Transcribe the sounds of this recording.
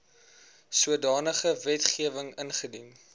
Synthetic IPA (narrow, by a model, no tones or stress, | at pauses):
suədɑːnəχəvɛtχiəvəŋənχədin